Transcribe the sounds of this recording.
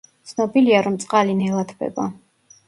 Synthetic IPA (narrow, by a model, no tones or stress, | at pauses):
t̪sʰnɔbiliaɾɔmt̪sʼqʼalinɛlˠat̪ʰbɛ̰ba